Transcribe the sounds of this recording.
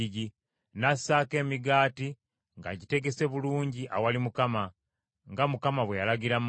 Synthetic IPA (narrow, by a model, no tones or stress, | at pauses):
ɟi | nasaːke̞ːmiɡaːti | ŋɡa̰ɟite̞ɡe̞se̞βuluːɲɟiʔa̰walimukama | ŋɡamukamaβwejalaɡiɾam